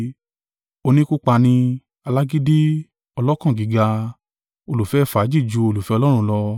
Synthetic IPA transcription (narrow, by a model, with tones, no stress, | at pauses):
o˧nĩ˦ku˦k͡pa˧nĩ˧ | a˧la˦ɡi˦di˦ | ɔ˧lɔ˦kã˦˨ɡi˨˦ɡa˧ | o˧lu˨fɛ˨˦˨fa˨˦d͡ʒi˦˨d͡ʒu˧o˧lu˨fɛ˧ɔ˧lɔ˦ɾ̃ũ˧˦lɔ˧